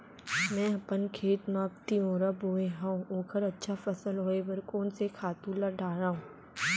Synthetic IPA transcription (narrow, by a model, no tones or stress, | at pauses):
mɛ̃ːɐpənkʰeːʈ̪maːpt̪iɦũɾɐboːeɦãũõːkʰəɾɐtːʃʰafɐsəlɦoːebɐɾkoːnsekʰaːt̪ũlɐɖʱaːɾaːɦũː